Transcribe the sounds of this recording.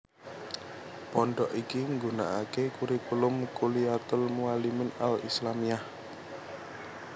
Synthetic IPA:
pɔɳɖɔʔikiŋɡuna̰ʔakekuɾikulʊmkuliat̪ʊlmualimɪnalḭslamiah

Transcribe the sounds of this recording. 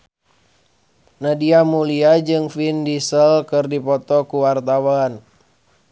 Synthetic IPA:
nadiamuliad͡ʒɨŋfindisəlkɨrdipɔt̪ɔkuwart̪awan

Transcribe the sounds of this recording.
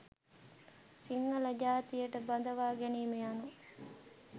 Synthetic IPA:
siŋːələd͡ʒaːt̪ijəʈəband̪əʋaːɡæniːmejanu

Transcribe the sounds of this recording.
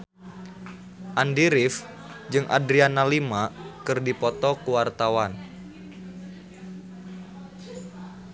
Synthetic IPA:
ʔandiɾif | d͡ʒɨŋʔa̰dɾianalimakɨrdipɔt̪ɔkuwart̪awan

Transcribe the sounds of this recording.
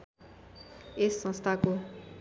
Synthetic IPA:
esːʌ̃nst̪ʰako

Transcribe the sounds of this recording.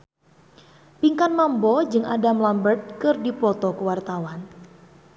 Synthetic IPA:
piŋkanmambɔd͡ʒɨŋʔa̰damlambərt̪̚kɨrdipɔt̪ɔkəwart̪awan

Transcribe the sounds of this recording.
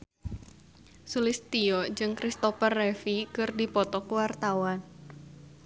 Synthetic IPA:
sulɪst̪iɔd͡ʒɨŋkɾist̪ɔfərɛfikɨrdipɔt̪ɔkəwart̪awan

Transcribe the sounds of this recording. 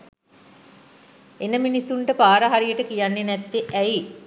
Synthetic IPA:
enəminisːuɳʈəpaːɾəɦaɾijəʈəkijanːenɛt̪ːeʔæi

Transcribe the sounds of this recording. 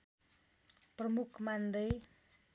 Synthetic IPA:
prəmukmand̪əj

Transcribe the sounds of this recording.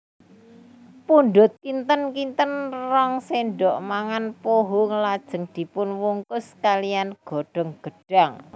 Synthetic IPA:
puɳɖ̪ʊt̪̚kint̪ənkint̪ənrɔŋseɳɖɔʔmaŋanpoɦuŋəlad̥ʒ̥ə̤ŋd̪̥i̤pʊnwuŋkʊskalijanɡ̥ɔ̤ɖ̥ɔ̤ŋɡ̥ə̤ɖ̥a̤ŋ

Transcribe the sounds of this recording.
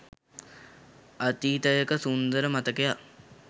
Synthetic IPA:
at̪iːt̪əjəkəsund̪əɾəmat̪əkeja

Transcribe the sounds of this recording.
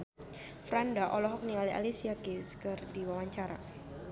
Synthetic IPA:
fɾandaʔɔlɔɦɔk̚nialiʔa̰lisiakiskɨrdiwawaɲt͡ʃaɾa̰

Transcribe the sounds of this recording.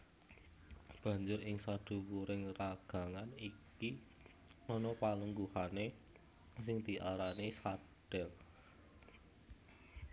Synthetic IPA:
b̥ä̤ɲd͡ʒʊɾɪŋsad̪̥ṳwuɾɪŋraɡ̥a̤ŋaniki | ɔnɔpaləŋɡuhane | sɪŋd̪̥i̤ʔaɾanesaɖ̥ɛ̤l

